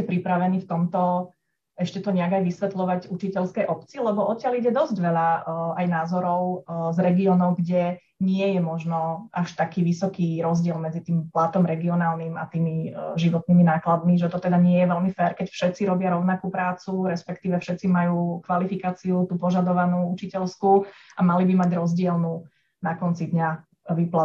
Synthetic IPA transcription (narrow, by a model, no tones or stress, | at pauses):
ɛpɾipɾaʋɛniːft̪ɔmt̪ɔ | ɛʃcɛt̪ɔɲɛaɡajʋisʋɛt̪lɔʋaɟut͡ʃicɛlskɛjʔɔpt͡siːlɛbɔʔɔt̪ɪaliɟɛd̪ɔzɟʋɛʎaajnaːzɔɾɔʊzɾɛɡiɔːnɔʊɡɟɛ | ɲɪɛjɛmɔʒnɔʔaʃt̪akiːʋisɔkiːɾɔzɟɪɛlmɛd͡zit̪iːmplat̪ɔmɾɛɡiɔnaːlnima̰t̪iːmiʒiʋɔt̪̚niːminaːklad̪miʒɛt̪ɔt̪ɛd̪aɲɪɛjɛʋɛlmifɛɾkɛcfʃɛt̪t͡siɾɔbɪaɾɔʊnakuːpɾaːt͡suɾɛspɛkt̪iːʋɛfʃɛt̪t͡simajuːkʋalifikaːt͡siut̪uːpɔʒad̪ɔʋanuːut͡ʃicɛlskuamalibimaɟɾɔzɟɪɛlnu | nakɔnt͡sid̪ɲa | ʋipla